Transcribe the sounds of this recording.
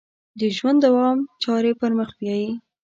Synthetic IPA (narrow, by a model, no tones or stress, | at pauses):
d̪əʒwand̪awɑmt͡ʃɑɾepəɾməxbjɑji